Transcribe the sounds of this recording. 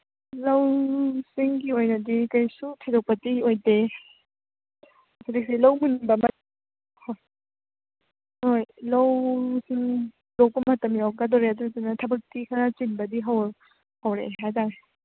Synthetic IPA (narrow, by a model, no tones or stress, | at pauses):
lawsiŋɡiojnɐdikajsutʰedɔk̚pɐtiojde | sʰadik̚silawmunbɐmɐ | hoj | hojlawsiŋ | lowk̚pɐmɐtɐmjawkadɔɾeadutanɐtʰɐbɐk̚tikʰɐɾat͡ʃinbɐdiɦaw | hawɾḛɦajtaɾe